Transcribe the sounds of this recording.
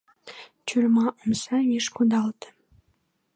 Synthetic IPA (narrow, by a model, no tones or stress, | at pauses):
t͡ɕyrmɑʔumsɑjiʃkud̪ɑlt̪ə̥